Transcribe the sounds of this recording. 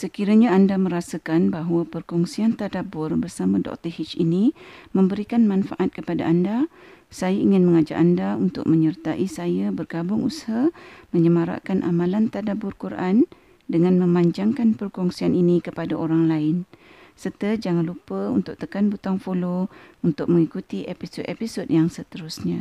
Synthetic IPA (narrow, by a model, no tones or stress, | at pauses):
səkiɾaɲaːndamə̃ɾasəkanbaɦwəpərkɔŋsiant̪adabʊrbərsamãdɔ̰k̚t̪əhit͡ʃinimə̃mbəɾikanmãnfaʔat̪̚kəpada̰ʔanda | sajaiŋɪnmə̃ŋad͡ʒa̰ʔandaunt̪ʊ̰k̚mə̃ɲərt̪aʔisajabərɡabʊŋʔusḁhamə̃ɲəmaɾa̰ʔkanʔa̰mãlant̪adabʊrkuɾʔan | dəŋãnmə̃maɲd͡ʒaŋkanpərkɔŋsianinikəpadaʔoɾaŋlaɪn | sərt̪əd͡ʒaŋanlupəunt̪ʊʔ̚t̪əkanbut̪aŋfolount̪ʊk̚məŋikut̪iʔepisodepisodjaŋsət̪əɾʊsɲa